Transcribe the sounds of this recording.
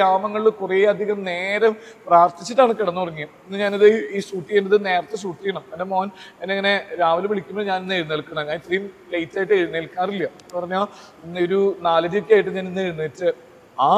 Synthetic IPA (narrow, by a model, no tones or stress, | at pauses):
aːmɐŋːɐɭilkureɐd̪ʱiɣɐmne̞ːɾɐmpraːrt̪it͡ɕːiʈːaːɳɨkɐɽɐnːupɐrɐɲːijɐmenːɨɲaːnɐðɨiːʂuːʈːijenɖɐðɨne̞ːrɐt̪ːes̬uːʈːijɐɳɐmendemoːnenːeɐŋːɐne̞ɾaːʋɐlmʋeɭikʲːumboɲaːninːeɻnːelkːɐɳɐmɐŋːaːit̪riːmplejtːaːjiʈːɨeɻnːɐlkːaːrilːɐ | pɐrɐɲːoː | inːoɾunaːlɐd͡ʑijokʲːaːjiʈːɨɲaːninːeɻnːɨetːɨ | aː